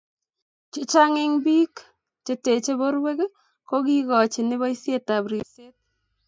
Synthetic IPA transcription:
t͡ʃɪ˦t͡ʃa˦ŋɪ˦ŋbi˦k | t͡ʃe˦te˨t͡ʃe˦bo˦ɾwe˦k | ko˦ki˦ɣɔ˨t͡ʃɪ˨nɪ˦βɔ˦i˦sje˦ta˨bɾi˨se˦t̚

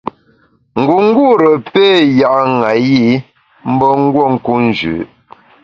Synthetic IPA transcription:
ŋ̩˨ɡu˨ŋ̩˦ɡu˦ɾə˨pe˦˨ja˨ʔŋa˨ji˦ | m̩˦bɔ˦ŋ̩˦ɡwɔ˦˨ŋ̩˦ku˦n̩˦d͡ʒʉ̰ː˨˦

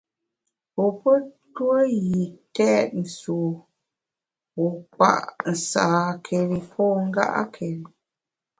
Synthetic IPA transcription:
po˨pə˦ | twə˦ɣi˨tɛ˦t̚n̩˨su˨ | wu˨k͡pa̰˦˨ʔn̩˨saː˨kʰe˨li˨pʰɔ˦˨ŋ̩˦ɡa̰˦ʔa̰˦kʰɛ˨li˨

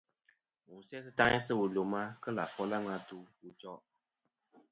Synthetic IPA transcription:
mu˨sɛ˦sɨ˦ta˦ŋɛ˦sɨ˦wu˨lo˨ma˦kə˦la˨fɔ˦la˦ŋa˦tu˦wu˦t͡ʃɔ˦

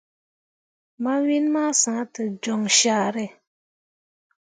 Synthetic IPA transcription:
ma˦wi˦nma˦sã˨˦tɨ˨d͡ʒɔ˨ŋʃaː˦˨ɾɛ˦˨

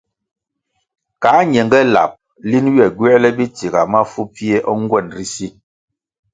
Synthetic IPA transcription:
ka˨˦ɲɛ˨ŋɡɛ˦la̰˨p̚ | li˦nɥɛ˨ɡwɛ˦lɛ˦bi˦ti˨ɡa˨ma˦fu˦pi˦e˦ʔɔ˦ŋ̩˦ɡwɛ˦˨nɾi˦si˦

